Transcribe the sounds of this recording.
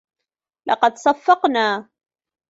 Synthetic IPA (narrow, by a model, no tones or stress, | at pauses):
lɑ̰qɑd̪sɑfːɑqnaː